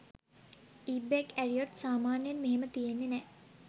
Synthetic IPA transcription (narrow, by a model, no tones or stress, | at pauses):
iːbekærijot̪saːmaːnjanmeɦemət̪ijenːenɛ